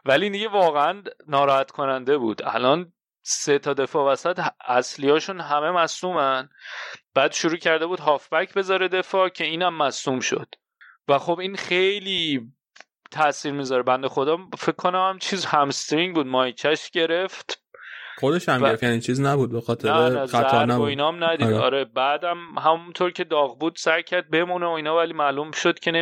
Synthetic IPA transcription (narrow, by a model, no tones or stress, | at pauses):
vælind̪iɟevɒːɣeænːɒːɾɒːhæt̪kʰo̞nænd̪e̞bṵːd̪̥æ̰lɒːn | set̪ʰɒːd̪e̞fɒːvæsæt̪æslijɒːʃunɦæme̞mæsuːmænb̥æːd̪ʃuɾuːcʰæɾd̪e̞buːd̪̥ɦɒːfbæcʰbe̞zɒɾe̞d̪e̞fɒːcʰe̞iːnæmːæsuːmʃo̰d̪̥ | væxo̞biːnχejliː | t̪ʰæsiːɾmiːzɒːɾebænd̪exo̞d̪ɒːfekʰːonæmæmt͡ʃʰiːzhæmst̪ɾiŋbuːd̪mɒːjt͡ʃʰæʃɟe̞ɾe̞ft̪χod̪eʃæmeɾefjænit͡ʃʰiːznæbuːd̪̚bexɒːt̪ʰeæɾeæææɾæoiːnɒmnæd̪id̪ɒ̰ːɾebæːd̪æmɦæmunt̪ʰoɾcʲʰe̞d̪ɒːɣbuːd̪̥sæɾcʰæɾd̪̚be̞muneoiːnɒːvæliːmæːlumʃod̪̥cʰe̞ne